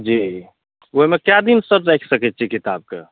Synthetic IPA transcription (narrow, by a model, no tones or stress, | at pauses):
d͡ʒi | oɦimekjad̪insəɾɾɛjkʰsəkɛt̪̚ːt͡ʃʰikit̪ab̚kḛ